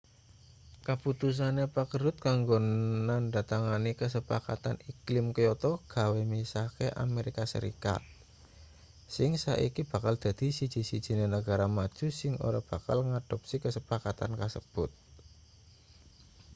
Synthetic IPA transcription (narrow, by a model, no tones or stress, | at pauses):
kəput̪us̬anepakəɾʊt̪̚kaŋɡonanɖat̪aŋanikəs̬əpaka̰t̪aniklɪmkəjɔt̪ɔɡ̥a̤wemisakeʔa̰meɾikasə̰ɾḭka̰t̪̚ | sɪŋsa̰ʔikib̥a̤kald̪̥ä̤d̪̥i̤sid̥d͡ʒ̥i̤sid̥ʒ̥i̤nenəɡa̤ɾamad̥ʒ̥ṳsɪŋo̰ɾab̥a̤kalŋad̥ɔp̚sikəsəpakat̪a̰nkasə̰b̥ʊt̪̚